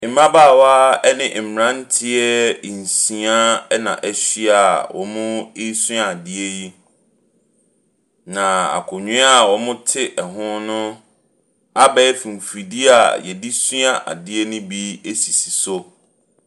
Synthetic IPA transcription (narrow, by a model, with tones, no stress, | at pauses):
ɪ˨mã˦ba˦˨wa˦ɛ˦nɪ̃˦ʔ̩˨ɾã˦n˦tʰɪ˦ɛ˦˨n̩˨sĩ˨a˦nã̰˨ʔɛ˦ɕi˦a˨wʔɔ̰˨mʊ̃˦ɪ˦sʊ̃˦a˨dɪ˦ɛ˦ji˦ | nã˨a̰˨kʰʊ˨ɲᶣũ˦a˦˨wɔ˨mʊ̃˦tʰɪ˦ʔɛ˨ɦʊ̃˦nʊ̃˦ | a˦bɛ˦fĩ˨m˨fi˨di˦a̰˨jɛ˨di˦sũ˦a˨ʔa̰˨dɪ˦ɛ˦nʊ̃˦bi˦e˦si˨si˨so˦